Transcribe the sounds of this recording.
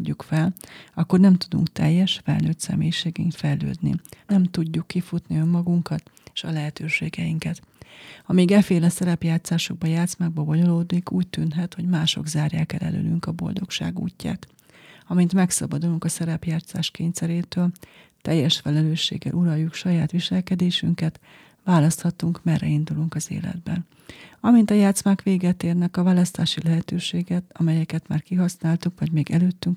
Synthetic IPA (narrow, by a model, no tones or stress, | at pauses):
ɟːukfɛlɒkːo̞rnɛmt̪ud̪ṵŋkt̪ɛjːɛʃfɛ̰lnøːt̪sɛ̰meːjiʃeːɡiŋkt̪fɛjlø̰ːd̪nḭnɛmt̪uɟːukːifut̪niømːɒɡuŋkɒt̪e̥ʃɒlɛɦɛt̪øːʃḛːɡɛjiŋkɛt̪hɒmiːɡɛfeːlɛsɛɾɛpjaːt̪saːʃo̞ɡ̚bɒjaːt̪smaɡ̚bɛboɲo̞loːd̪nikuːc̚t̪ynɦɛt̪ho̞ɟmaːʃo̞̰ɡzaːrjaːkɛ̰lʔɛ̰lø̰ːlyŋkɒbo̞̰ld̪o̞kʃa̰ːɡṵːcːa̰ːt̪ | ɒmint̪mɛksɒ̰bɒd̪uluŋkɒsɛɾɛpjaːt̪sa̰ːʃkeːɲsɛɾeːt̪øːl | t̪ɛjːɛʃfɛlɛløːʃːḛːɡːɛ̰lʔuɾɒjːukʃɒjaːt̪ʋiʃɛlkɛd̪eːʃyŋkɛt̪ | vaːlɒst̪hɒt̪uŋkmɛrːɛind̪uluŋkɒzḛːlɛ̰d̪bɛ̰n | ɒmint̪ɒjaːt̪smaːkʋeːɡɛt̪eːrnɛkɒvaːlɒst̪aːʃilɛɦɛt̪øːʃeːɡɛt̪ɒmɛjɛkɛt̪ma̰ːrkiɦɒsnaːlt̪ukvɒɟmeːɡɛløːt̪ːyŋk